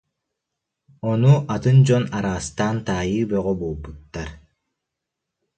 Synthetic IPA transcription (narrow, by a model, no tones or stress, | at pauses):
onuʔat̪ɯnd͡ʑɔnaɾaːst̪aːnt̪aːjɯːbœʁɔbolˠbut̪ːaɾ